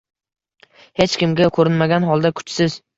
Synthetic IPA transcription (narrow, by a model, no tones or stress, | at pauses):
het͡ʃkʲɪmɡʲakʰɵɾɪnmaɡʲanɦɒlˠd̪akʰʊ̥t͡ʃsɪz